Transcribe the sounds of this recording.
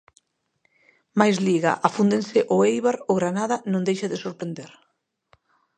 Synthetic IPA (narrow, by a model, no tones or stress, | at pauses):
majzliɣa̰ʔafund̪ensɪʔʊejβaɾʊɣɾanaðanõŋd̪ejʃaðɪsoɾpɾend̪eɾ